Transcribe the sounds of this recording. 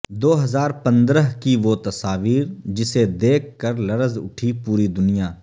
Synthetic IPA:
d̪oːɦɐzaːɾpɐ̃nd̪ɾəɦkiʋot̪ɐsaːʋiːɾd͡ʒɪsed̪eːkʰkəɾlɐɾəzʊ̰ʈʰipuːɾid̪ʊnijaː

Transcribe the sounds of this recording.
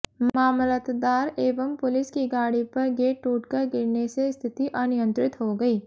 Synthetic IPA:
maːmlət̪d̪aːɾeːʋəmpʊlɪskiɡaːɽipɐɾɡeːʈːuːʈkɐɾɡɪɾnesest̪ʰɪt̪iʔənɪjə̃nt̪ɾɪt̪ɦoɡɐiː

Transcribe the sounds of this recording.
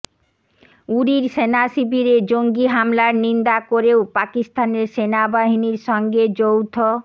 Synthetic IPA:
uɾiɾsenasibiɾed͡ʑoŋɡiɦamlaɾnind̪akoɾeopakist̪aneɾsenabaɦiniɾʃɔŋɡed͡ʑowt̪ʰo

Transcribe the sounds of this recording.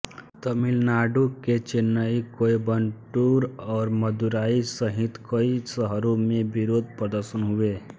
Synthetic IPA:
t̪əmɪlnaːɖuket͡ʃenːaikoːibənʈuːɾɔːɾməd̪uɾaːisəɦɪt̪kəisəɦəɾomẽbɪɾoːd̪̚pɾəd̪əɾʃənɦʊe

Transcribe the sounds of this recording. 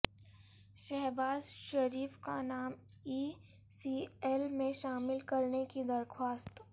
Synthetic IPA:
ʃɛɦbaːzʃɐɾiːfka̰naːm | iː | siːɛlmẽʃaːmɪlkɐɾnekid̪ɐɾkʰwaːst̪

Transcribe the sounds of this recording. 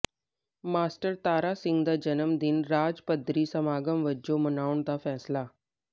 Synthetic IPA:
maːsʈəɾt̪aːɾasɪ̃ŋɡd̪ad͡ʒənəmd̪inɾaːd͡ʒpəd̪ʱɾiːsəmaːɡəmʋəd͡ʒomənaːʋuɳd̪afɛːslaː

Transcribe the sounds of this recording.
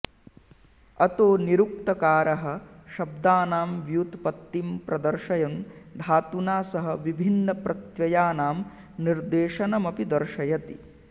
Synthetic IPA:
ɐt̪oːniɾuk̚t̪ɐkaːɾɐɦɐ̆ʃɐb̚d̪aːnaːmʋjuːt̪pɐt̪ːimpɾɐd̪ɐɾʃɐjɐnd̪ʱaːt̪unaːsɐɦɐʋibʱinːɐpɾɐt̪jɐjaːnaːm | niɾd̪eːʃɐnɐmɐpid̪ɐɾʃɐjɐt̪i̥

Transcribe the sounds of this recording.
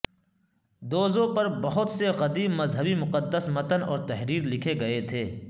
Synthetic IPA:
d̪oːzõpɐɾbɐɦʊt̪seɣɐd̪iːbmɐzɦəbimʊqəd̪ːəsmɐt̪ənɔ̰ːɾt̪ɐɦɾiːɾlɪkʰeɡɐet̪ʰeː

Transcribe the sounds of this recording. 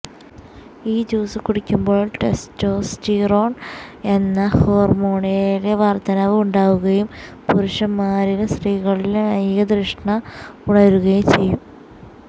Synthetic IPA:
iːd͡ʑuːsɨkuɽikʲːumbo̞ːɭʈe̞sto̞ːstiːroːɳe̞nːɐho̞ːrmo̞ːɳieleʋɐrt̪ɐnɐʋuɳɖaːʋuɣɐjum | puɾuʂɐmːaːɾilesriːɣɐɭilenɐjɣɐd̪rɨʂɳɐuɽɐɾuɣɐjumt͡ɕe̞jːum

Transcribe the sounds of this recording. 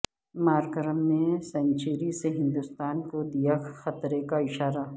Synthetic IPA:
maːɾɡəɾəmːẽsɐ̃nt͡ʃiːɾiseɦɪ̃nd̪ust̪aːnkod̪ijaxɐt̪ɾekaɪʃaːɾa

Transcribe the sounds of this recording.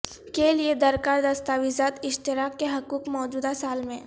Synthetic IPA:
kelied̪ɐɾkaːɾd̪ɐst̪aːʋizaːt̪ɪʃt̪ɪɾaːkːeɦɐkuːkmɔːd͡ʒuːd̪asaːlmẽː

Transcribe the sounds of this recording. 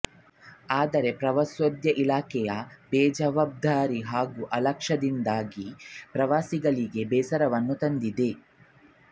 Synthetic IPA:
aːd̪ɐɾe̞pɾɐʋɐsʋɐd̪jɐʔilaːkɛjɐbɛːd͡ʒɐʋaːb̚d̪ʱaːɾiɦaːɡuʔɐlɐkʂɐd̪ind̪aːɡipɾɐʋaːsiɡɐɭiɡe̞bɛːsɐɾɐʋɐnːut̪ɐnd̪id̪e̞

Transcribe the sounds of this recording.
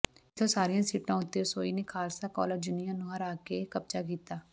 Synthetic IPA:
ɪt̪ʰosaːɾijãsiːʈãʊt̪esoːinekʰaːlsakɔːləɾd͡ʒʊnijãnoɦəɾaːkekɐp̚t͡ʃakiːt̪aː

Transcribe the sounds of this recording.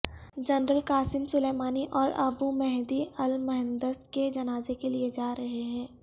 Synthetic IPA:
d͡ʒɐnɾəlkaːsɪmsʊleːmaːniʔɔːɾɐbumɛɦd̪iɐlmɐɦɪ̃nd̪əsked͡ʒɐnaːzekelied͡ʒaːɾɐɦeɦɛ̃ː

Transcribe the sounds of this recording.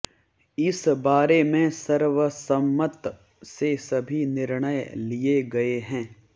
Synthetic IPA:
ɪsbaːɾemẽsɐɾʋəsɐmːət̪ | sesɐbʱinɪɾɽ̃əjlieɡɐeɦɛ̃ː

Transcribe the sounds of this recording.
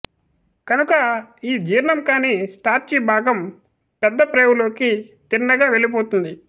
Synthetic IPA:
kɐnukɐiːd͡ʒiːɾlɐmkaːniːsʈaːɾt͡ʃiːbʱaːɡɐm | pɛd̪ːɐpɾeːwulo̞ːkit̪inːɐɡaːʋe̞lip̬oːt̪und̪i

